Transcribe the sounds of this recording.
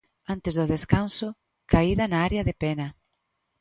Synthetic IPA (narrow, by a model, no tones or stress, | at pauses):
ant̪ezðʊðeskansʊ | kaiðɐnaaɾeɐðepɛnɐ